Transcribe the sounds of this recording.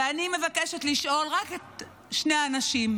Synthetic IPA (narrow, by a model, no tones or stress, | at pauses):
anime̞vake̞ʃet̪liʃʔo̞lʁaket̪ | ʃne̞aːnaʃim